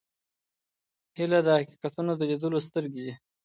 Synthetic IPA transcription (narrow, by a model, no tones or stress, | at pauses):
hilad̪əhaqi̥qat̪unod̪əlid̪əlos̬t̪əɾɡed̪i